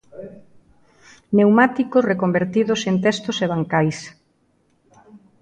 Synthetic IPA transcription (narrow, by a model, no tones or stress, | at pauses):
newmat̪ikosrekombeɾt̪iðʊsent̪̬ɛst̪oseβ̞aŋkajs